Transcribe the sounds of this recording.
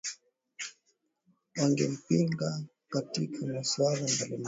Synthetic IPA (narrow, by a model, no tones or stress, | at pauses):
waŋɡɛ̰m̩piŋɡa | katikʰamaswalambalɔn